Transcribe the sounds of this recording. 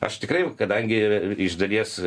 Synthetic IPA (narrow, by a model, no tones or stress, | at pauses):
ɐ̰ʃt̪ʲɪkɾɐɪkɐd̪ɐŋʲɡʲɪɪʒd̪ɐlʲiɛs